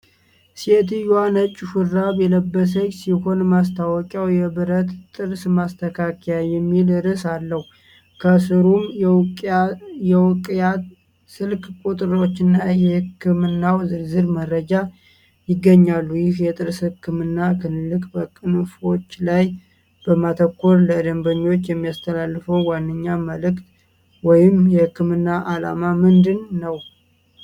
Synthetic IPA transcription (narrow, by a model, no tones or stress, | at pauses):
set̪ɨjwanət͡ʃʼːɪfuɾaβjɛləbːəs̬əɲsiho̞nmast̪ʰawɔkʼawjɛβɨɾət̪t̪ʼɨɾsmast̪ʰəkʰakʰejajɛmːilɨɾɨsalːəhu | kʰəsɨɾumʼ | jɛwkʼa | sɨlkkʼut̪ʼɨɾo̞t͡ʃːɨnːajɛhɨkːɨmɨnːawzɨɾzɨɾməɾəd͡ʒa | jɪɡːəɲːalːujɪhjɛt̪ʼɨɾshɨɨkːɨmɨnːakʰɨnɨlːɨkʼbəkʼɨnfo̞t͡ʃːlaj | b̥əmat̪ʰəkːoɾləd̪əmbəɲːwot͡ʃːjɛmːijast̪ʰəlalːɨfəwwanːɨɲːaməlɨkt̪ | wɔjɪmjɛhɨkːɨmɨnːaʔala̰mamɨnd̪ɨnːəw